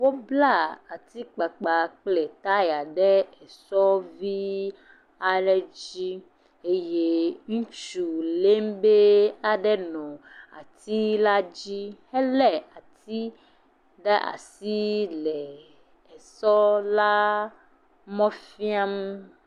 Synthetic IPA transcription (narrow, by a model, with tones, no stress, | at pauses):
wo˦bla˦˨a˨t̪i˦k͡pa˨k͡pa˨k͡plɛ˨t̪a˦ja˨ɖɛ˦ɛ˨sɔ˦vi˦ | a˦lɛ˦d͡ʑi˦ | e˦je˦ŋũ˦t͡ʃu˨le˦m˦be˦a˦ɖɛ˦nɔ̃˨ | a̰˨t̪i˦la˦d͡ʑi˦hɛ˦lɛ˦a˨t̪i˦ | ɖɛ˦ʔa̰˨si˦lɛ˨ | ɛ˨sɔ˦la˦ | mɔ̃˦fi˦a˦m˦